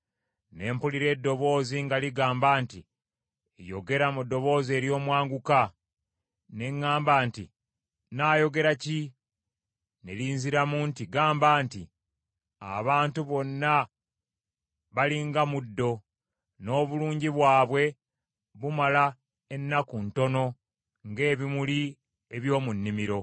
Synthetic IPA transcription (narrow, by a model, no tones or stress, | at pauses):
ne̞ːmpuliɾe̞ːdːo̞βo̞ːziŋɡaliɡaːmbaːnti | jo̞̰ɡe̞ɾamudːo̞βo̞ːze̞ːɾjo̞ːmwaːŋɡuka | ne̞ŋːaːmbaːnti | naːjo̞ɡe̞ɾaci | neliːnziɾamuntiɡaːmbaːnti | a̰βaːntuβo̞nːa | βaliŋɡamudːo̞ | no̞ːβuluːɲɟiβwaːβwe̞ | βumala | enːakunto̞no̞ | ŋɡe̞ːβimuli | eβjo̞ːmunːimiɾo̞